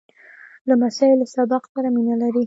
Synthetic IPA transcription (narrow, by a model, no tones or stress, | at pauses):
lamasɑɪlosabɑqsaɾaminalaɾi